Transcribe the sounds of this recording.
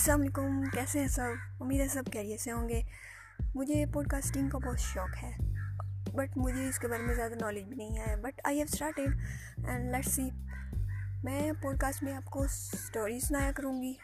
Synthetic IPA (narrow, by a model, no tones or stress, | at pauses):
ɐslaːmleːkʊmkɛːseɦɛ̃sɐbʊmːiːd̪ɦɛ̃sɐb̚kɛːɾieseɦõːŋɡeː | mʊd͡ʒʱepɔːɖ̚kaːsʈɪ̃ŋɡkabɔɦt̪ʃɔːkɦɛː | bɐʈmʊd͡ʒʱeɪskebəːɾmẽzjaːd̪anɔːlɪd͡ʒbʱiːnɐɦĩaːjabɐʈa̰ːiɦɛːʋsʈaːɾʈeb | ɛ̃ːɳɖlɛʈsiː | mɛ̃ːpɔːɖ̚kaːsʈmẽaːpkoʈoːɾizsʊnaːjakɐɾũːɡiː